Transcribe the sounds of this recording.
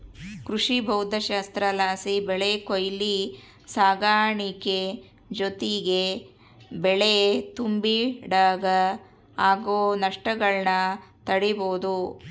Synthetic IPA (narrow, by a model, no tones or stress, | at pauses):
kɾuʂibʱɐwd̪ʱɐʃaːst̪ɾɐlaːsibɛɭekojli | saːɡaːɳike | d͡ʒot̪iɡe | beɭet̪umbiɖaːɡɐ | aːɡoːnɐʂʈɐɡɐɭnɐt̪ɐɽiboːd̪u